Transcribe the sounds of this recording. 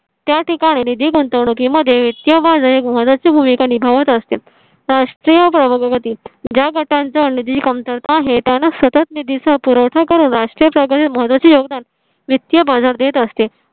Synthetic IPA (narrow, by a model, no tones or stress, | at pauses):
t̪jaʈikaɽ̃inid̪ʱiɡənt̪əʋɳukiməd̪ʱːjeʋit̪jəbad͡zəekməɦət̪ʋat͡ɕiːbʱumikanibʱaʋət̪əst̪e | ɾaʂʈɾijəpɾəbəɡɡət̪iːd͡ʑjaɡəʈant͡sanid̪iikəmt̪əɾt̪ːɦet̪janasət̪ət̪nid̪ʱisapuɾəʋʈʰakəɾuːnɾaʂʈɾiːjəpɾəɡət̪iməɦət̪ʋat͡ɕiːjoɡd̪an | ʋit̪jəbad͡zaɾd̪et̪əst̪e